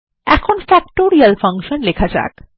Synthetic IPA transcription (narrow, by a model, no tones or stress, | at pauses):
ɛ̰kʰonfɛk̚ʈoɾialfaŋkʃonlekʰad͡ʑa̰k